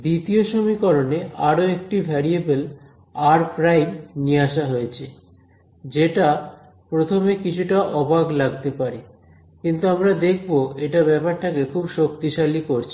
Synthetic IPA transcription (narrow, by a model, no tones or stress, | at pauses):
d̪it̪ioʃomikɔɾonea̰ɾoek̚ʈibʱɛɾiebel | aɾpɾajmniaʃaɦoet͡ɕʰe | d͡ʑeʈa | pɾot̪ʰomekit͡ɕʰuʈaʔɔbaɡlaɡ̚t̪epaɾe | kint̪uamɾad̪ekʰboeʈabɛpaɾt̪ʰakekʰubʃok̚t̪iʃalikoɾt͡ɕʰe